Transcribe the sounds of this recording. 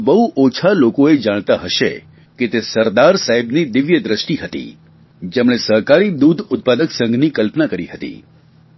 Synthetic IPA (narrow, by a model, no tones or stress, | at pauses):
bəɦuʔot͡ʃʰalokoed͡ʒaɽ̃t̪aɦəʃḛ | ket̪esəɾd̪aɾsaɦibnid̪ɪʋjəd̪ɾəʃʈiɦət̪ḭ | d͡ʒemɽ̃esəɦkaɾid̪ud̪ʱʊt̪̚pad̪əksə̃ŋɡnikəlpnakəɾiɦət̪ḭ